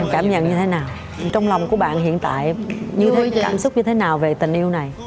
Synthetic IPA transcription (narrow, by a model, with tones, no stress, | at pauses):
kaː˧˩mɲə̰˧˨nɲɨ˧t̪ʰe˨˦naː˨˩w | t͡ɕɔ˧wŋ͡mlwŋ͡mku˧˩əɓa̰ː˧˨nhḭ˧˨ənt̪a̰ː˧˨jɲɨ˧t̪ʰe˦kaː˧˩msʊ˦˥k͡p̚ɲɨ˧t̪ʰe˨˦naː˨˩wve˨˩t̪ï˨˩ŋ̟ʔi˧əwna˨˩j